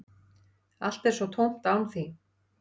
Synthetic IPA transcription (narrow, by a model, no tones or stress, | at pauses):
a̰l̥t̪ɛɾ̥sɔt̪ʰowm̥t̪aːwnθi